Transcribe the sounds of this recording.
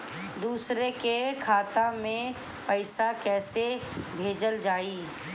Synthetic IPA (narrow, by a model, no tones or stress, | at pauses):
d̪uːsɾekekʰaːt̪amẽ | pəɪsakɛːsebʱeːd͡ʒəld͡ʒaːiː